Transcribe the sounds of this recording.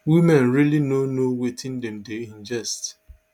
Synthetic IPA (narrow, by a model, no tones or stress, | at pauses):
wimɛ̃nɾilinonowetʰɪ̃ndɛmdeĩnd͡ʒɛst